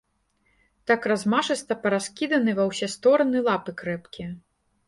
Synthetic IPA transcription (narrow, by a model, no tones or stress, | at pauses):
t̪akrazmaʂɨst̪ɐpɐɾaskʲid̪ɐnɨvɐwsʲɛst̪ɔɾɐnɨlˠapɨkɾɛpkʲiɐ